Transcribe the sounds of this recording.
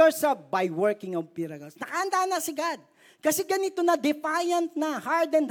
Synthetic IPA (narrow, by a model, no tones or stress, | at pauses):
ɛɹsɐbajwɛɹkɪ̃ŋɐv̚piɾɐkɐlsnɐkaʔɐnd̪anɐsɪɡad̪̚ | kɐsɛɡɐnit̪onɐd̪ɪfajɐnt̪̚nɐhaɹd̪ɛnd̪